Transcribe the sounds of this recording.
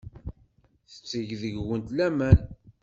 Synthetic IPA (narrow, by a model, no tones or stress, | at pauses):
θə̥t͡sːəʝðəʝwənt̪læmæn